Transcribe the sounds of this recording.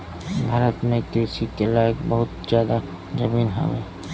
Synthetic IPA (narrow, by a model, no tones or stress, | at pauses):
bʱaɾət̪mekɾisikelaekbəɦʊt̪zjaːd̪a | zəminɦa̰be